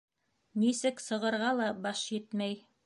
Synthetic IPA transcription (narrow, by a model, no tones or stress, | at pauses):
nisɘksɤ̆ʁɤ̆ɾʁɑlˠɑbɑʃjɘt̪mæj